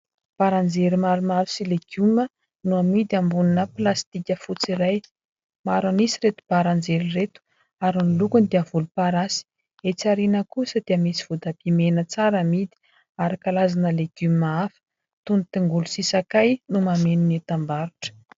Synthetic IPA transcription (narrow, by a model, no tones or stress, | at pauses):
b̥aɾand͡zeɾimaɾumaɾu̥sileɡ̥umə | nuamid̪iambuninəpilast̪ikʲəfut͡siɾaj | maɾanisiɾet̪u̥b̥aɾand͡zeliret̪u̥ | aɾunilukund̪iavulupaɾasi̥ | et͡saɾinəkusəd̪̥eəmisi̥v̥ud̪abimenət͡saɾamid̪i̥ | aɾakalazanəleɡ̥umaafə̥ | t̪unit̪iŋɡulusisakajnumameninit̪ambaɾuʈ͡ʂə̥